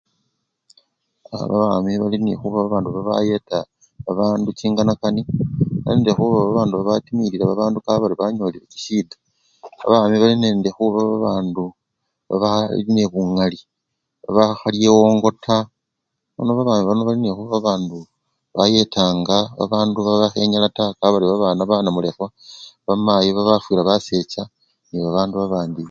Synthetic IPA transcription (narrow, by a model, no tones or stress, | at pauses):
a̰βa̰βaːmiβalinḛxuβaβaβaːnduβaβa̰je̞ta | βaβaːndut͡ʃiːŋɡanakaniβa̰leːndexuβaβaβaːnduβaβatimiɾiɾaβaβaːndukaβaɾiβaɲoːliɾeki̥siːdḁ | βa̰βaːmiβalineːndexuβaβaβaːndu | βa̰βa̰line̞βuŋali | βa̰βaxalije̞wo̞ːŋɡo̞tʰa | βa̰no̞βaβaːmiβanoβalinexuβaβaβaːndu | βaje̞taːŋɡaβa̰βaːnduβaβaxe̞ɲalatakaβaɾiβaβaːnaβanamule̞xwaβamajiβaβafwilaβase̞t͡ʃa | niβaβaːnduβaβaːndi